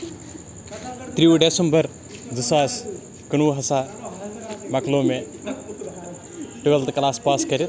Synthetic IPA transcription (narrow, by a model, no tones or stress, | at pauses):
t̪ɾiuɖesɐmbɐɾ | d͡zɨsaːs | kɐnuːɦɐsaː | mɐkloːme | ʈɨʋelt̪kɐlaːspaːskɐɾi